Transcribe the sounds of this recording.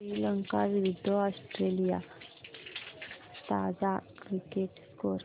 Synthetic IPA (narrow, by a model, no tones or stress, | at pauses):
ɾiːləŋkaʋiʋid̪ʱːɔɔsʈɾelija | t̪ad͡zakɾikeʈskoɾ